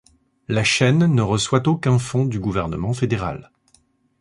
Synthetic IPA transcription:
laʃɛnːəʁəswat̪okʲɛ̃fɔ̃d̪yɡuvɛʁnəmɑ̃fed̪eʁa̰l

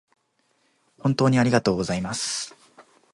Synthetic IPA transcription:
hõ̞nt̪o̞ːɲ̟iaɾʲiɡat̪o̞ːɡo̞zaimasɨ̥

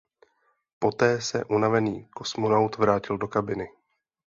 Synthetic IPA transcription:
po̞t̪ɛːsɛ̰ʔunavɛniːko̞smonawt̪vɾaːcɪldo̞kabɪnɪ

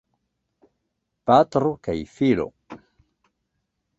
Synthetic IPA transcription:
pat̪ɾokajfilo̰

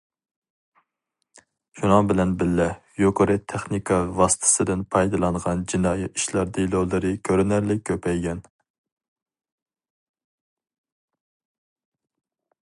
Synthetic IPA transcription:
ʃunɨŋbɪlɛnbɪlːɛjoqʰəɾɨt̪ʰɛχnikʰɑvɑsɨ̥t̪ʰɨ̥sɨd̪ɪnpʰɑjd̪ɨlˠɑɴʁɑnd͡ʒinɑːjɛiʃlɑɾd̪ilˠolˠɨɾɨkʲʰøɾɪnæɾlɪk̚ʲʰːøpʰɛjɡʲɛn

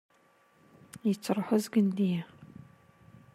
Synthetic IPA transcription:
it͡sʰɨrħʷʊzɡɨndijɛ

